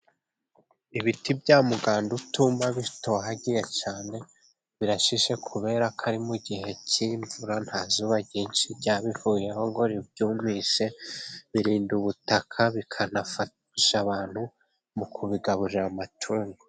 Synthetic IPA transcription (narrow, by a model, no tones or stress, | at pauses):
iβitibɟaːmuɡaːndutumaβito̞ːɦaɟije̞caːne̞ | βiɾaʃiʃe̞kʰuβe̞ɾakʰaɾimuɟiɦe̞ciːɱvuɾan̥haːzuβaɟiːnʃibɟaːβifuːjehoŋɡo̞ɾibɟuːmiʃe̞βiɾiːnduβutakʰaβikʰanafa | iʃaβaːn̥hu | mukʰuβiɡaβuɾiɾamatʰuːŋɡo